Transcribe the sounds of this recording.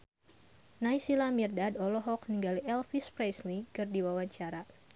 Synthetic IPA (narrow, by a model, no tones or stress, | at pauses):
naisilamirdadɔlɔɦɔk̚niŋɡaliʔɛlfispɾɛslikɨrdiwawaɲt͡ʃaɾa